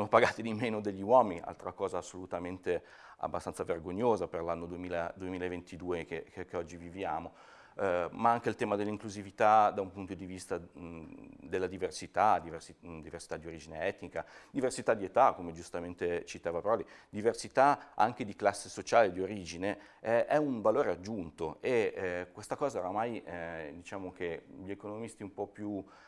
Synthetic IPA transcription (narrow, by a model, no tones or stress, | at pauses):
ssoːnopaɡaːt̪id̪imeːnod̪eʎːiwɔːminiʔa̰lt̪ɾakɔːzaːsːolut̪ament̪e | a̰bːast̪ansaverɡoɲːoːzaperlanːod̪uemiːlad̪uemiːlaevent̪id̪uːekekkeɔd͡ʒːivivjaːmo | maaŋkeilt̪ɛːmad̪elːiŋkluzivit̪ad̪aumpunt̪od̪ivist̪a | d̪elːad̪iversit̪ad̪iversid̪iversi̥t̪ad̪ioɾid͡ʒineɛt̪nikad̪iversit̪ad̪ːiet̪akːomed͡ʒust̪ament̪et͡ʃit̪aːvapeɾɔlid̪iversit̪aa̰ŋk̟ed̪iklasːesot͡ʃaːled̪ioɾiːd͡ʒine | ɛɛuɱvaloːɾead͡ʒːunt̪oʔekːwest̪akɔːzaoɾamajd̪it͡ʃaːmok̟eʎiekonomist̪iumpɔpːju